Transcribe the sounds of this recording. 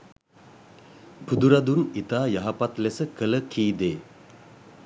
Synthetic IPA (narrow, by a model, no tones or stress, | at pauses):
pud̪uɾad̪unit̪aːjaɦapat̪lesəkələkʰiːd̪eː